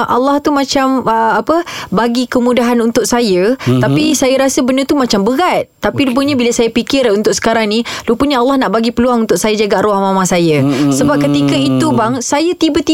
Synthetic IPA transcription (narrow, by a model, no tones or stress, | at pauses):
ʔa̰lːɑht̪umãt͡ʃaməapəbaɡikəmũdaɦanunt̪ʊk̚sajət̪apisajəɾasəbənət̪umãt͡ʃambəɡat̪̚t̪apilup̬əɲabiləsajapikɪɾunt̪ʊksə̥kaɾaŋnĩlupəɲaalːahnaʔbaɡipəluaŋunt̪ʊʔ̚sajəd͡ʒaɡaʔɾuahmãmãsajəsəbap̚kət̪ikəit̪ubaŋsajat̪ibət̪i